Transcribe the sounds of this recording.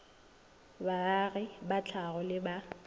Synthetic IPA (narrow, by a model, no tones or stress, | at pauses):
baɣɪbat͡ɬʰaɣɔlɪba